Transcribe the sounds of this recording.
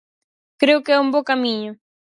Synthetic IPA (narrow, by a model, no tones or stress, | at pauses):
kɾeʊkɪɛumbokamiɲʊ